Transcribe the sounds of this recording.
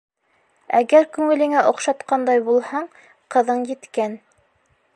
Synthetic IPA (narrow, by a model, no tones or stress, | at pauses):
æɡæɾkʉŋɘ̆lɘ̆ŋæʔŏqʃɑt̪qɑnd̪ɑjbulˠhɑɴ | qɤ̆ðɤɴjɘ̆t̪kæn